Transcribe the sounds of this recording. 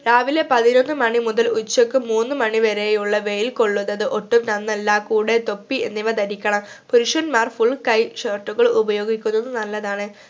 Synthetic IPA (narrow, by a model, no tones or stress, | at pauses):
ɾaːʋile̞pɐðinonːɨmɐɳimuðɐlut͡ɕːokːɨmuːnːɨmɐɳiʋeɾejuɭːɐʋe̞jilko̞ɭːuðɐðɨʔo̞ʈːumnɐnːɐlːaːkuːɽet̪o̞pːiḛnːiʋɐd̪ɐɾikʲːɐɳɐmpuɾuʂɐnmaːrfuɭkɐjʂɐːrʈːuɣɐɭubɐjo̞ːɡikʲːunːɐðːɨnɐlːɐðaːɳɨ